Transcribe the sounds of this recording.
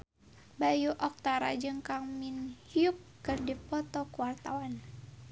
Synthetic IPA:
bajuʔɔk̚t̪aɾa̰d͡ʒɨŋkaŋminhiup̚ːɨrdipɔt̪ɔkuwart̪awan

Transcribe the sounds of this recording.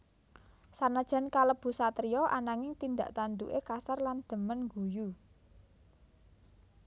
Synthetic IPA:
sanad̥ʒ̥ä̤nkaləb̥ṳsat̪ɾijɔʔanaŋɪŋt̪ind̪a̰ʔt̪and̪ṵʔekasarland̪̥ə̤mənŋɡuju

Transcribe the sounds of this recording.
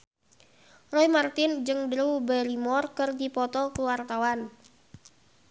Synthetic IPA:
rɔjmart̪ɪnd͡ʒɨŋdɾuwbɛlimɔrkɨrdipɔt̪ɔkuwart̪awan

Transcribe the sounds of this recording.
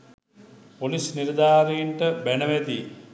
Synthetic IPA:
polisniɾd̪aːɾijiɳʈəbænəʋæt̪ij

